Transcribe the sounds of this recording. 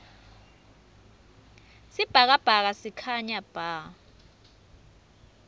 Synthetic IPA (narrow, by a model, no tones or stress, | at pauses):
sib̥ʱak̬ab̥ʱak̬asikʰaɲab̥ʱa